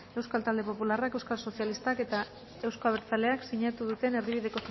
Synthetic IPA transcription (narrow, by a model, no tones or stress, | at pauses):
e̞wskalt̪ald̪e̞po̞pularake̞wskalso̞sjalist̪ake̞t̪a | e̞wsko̞aβ̞eɾt͡sale̞aksiɲat̪uðut̪e̞ne̞ɾðiβiðe̞ko̞s